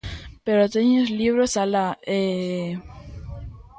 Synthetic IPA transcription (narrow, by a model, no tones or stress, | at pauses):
peɾot̪eɲosliβɾosalae